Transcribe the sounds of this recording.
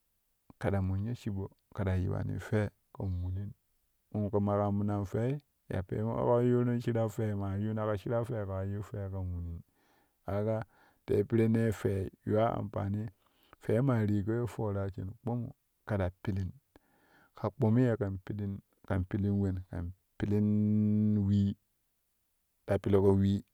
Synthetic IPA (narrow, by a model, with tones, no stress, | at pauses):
ka˨da˨mu˨ɲe˦ʃi˦bo˨ | ka˨da˨jḭ˨ba̰˨nḭ˨fe˦ | ka˨mu˨li˦n | u˨nka˨ma˨ka˨bu˨˦na˨nfe˦i˦ | ja̰˨pḛ˨˦a̰˦ka˦jo˦no˦n˦ʃi˦ɾa˦fe˦ma˨ju˦na˦ka˨ʃi˦ɾa˦fe˦˨ka˨˦ju˦fe˦ka˨mu˨li˨n | a˨˦ɡa˦ | tḛ˨˦pi˦ɾe˦ne˦fe˨ja˦a̰˨mpa̰˨ni˦ | fe˨˦ma˨ɾi˨ko˦jo˦fo˨ɾa˨t͡ʃḛ˨n˨k͡po˦mṵ˨ | ka˨da˨pi˦li˦n | ka˨k͡po˨mi˦je˨ka˨pi˦li˦n | ka˨mpi˦li˦nwe˦nka̰˨ | pi˦li˦n | wi˦ | da˨pi˦li˦ko˦wi˦